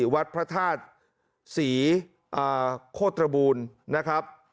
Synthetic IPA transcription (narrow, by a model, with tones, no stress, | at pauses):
wa˦˥t̪̚pʰɾa˦˥t̪ʰaː˥˩t̪̚ | siː˩˦ | ʔaː˧˩kʰoː˥˩t̪ːɾa˧buː˧nːa˦˥kʰɾa˦˥p̚